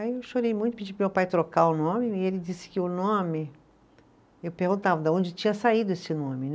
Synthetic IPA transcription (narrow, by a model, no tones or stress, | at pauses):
aiewʃoɾejmũj̃t̪ʊpɪd͡ʒipɾmewpajt̪ɾokaʊnõmɪɪelɪd͡ʒisɪ̥kɪʊnõmɪ | ewpehɡũnt̪avɐd̪ɐõd͡ʒɪt͡ʃĩɲɐsaid̪ʊesɪnõmɪnɛ